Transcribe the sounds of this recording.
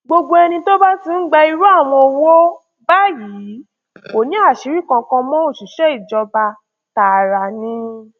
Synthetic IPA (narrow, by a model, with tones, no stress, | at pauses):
ɡ͡bo˧ɡ͡bo˧ɛ˧nĩ˧to˦ba˦ti˦n̩˦ɡ͡bɛ˧i˧ɾu˦a˦˨w̃ɔ̃˧wo˦ | ba˦ji˨˦˨ | o˨nĩ˨˦a˦˨ʃi˨˦ɾi˦˨kã˧kɔ̃˧mɔ̃˦o˦˨ʃi˨ʃɛ˦i˦˨d͡ʒɔ˧ba˧ | ta˨ɾa˨nĩ˧˦